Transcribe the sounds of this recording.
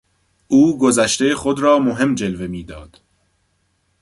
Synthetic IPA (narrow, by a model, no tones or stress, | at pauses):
ʔuːɡozæʃt̪exod̪ɾɒːmoɦe̞md͡ʒe̞lve̞miːd̪ɒ̰ːd̪̥